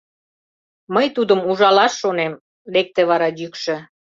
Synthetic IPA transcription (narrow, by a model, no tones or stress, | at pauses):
məjt̪ud̪əmuʒɑlɑʃːonem | lek̚t̪ĕβɑɾɑjykʃə̆